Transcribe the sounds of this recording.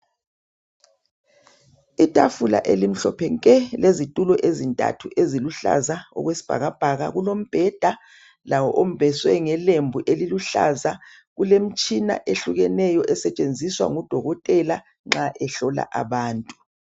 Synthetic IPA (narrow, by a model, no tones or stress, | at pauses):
itʼafula̰ʔelim̩ɬɔpʰɛŋkʼɛlezitʼulɔʔezintʼa̰tʰuʔeziluɬa̰zaɔ̰ɣwesi̥b̥ʱa̰ɣab̥ʱaɣa̰ɣulom̩b̥ʱɛd̥ʱa | lawɔʔom̩b̥ʱɛswɛŋɛlembʱuʔeliluɬa̰za | ɣulem̩t͡ʃʼina̰ʔeɬuɣɛnɛjɔʔɛsɛt͡ʃʼend͡zʱiswa̰ŋud̥ʱɔɣɔtʼɛla | ŋ͡ǁaʔɛɬɔla̰ʔaβaːntʼu